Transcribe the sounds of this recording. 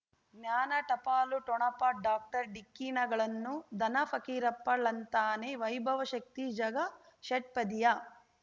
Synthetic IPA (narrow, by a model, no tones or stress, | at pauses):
ɡnjaːnɐʈɐpaːluʈɔɳɐpaɖaːk̚ʈɐɾɖikːiːnɐɡɐɭɐnːud̪ʱɐnɐpʰɐkiːɾɐpːɐɭɐnt̪aːneʋɐjbʱɐʋɐʃɐk̚t̪id͡ʒɐɡɐ | ʃɐʈ̚pɐd̪ijɐ